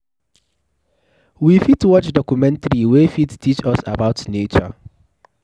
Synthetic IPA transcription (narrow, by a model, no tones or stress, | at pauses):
wifitwɔt͡ʃdɔkumɛ̃ntɾiwefittit͡ʃɔsa̰baʊtnet͡ʃɔ̰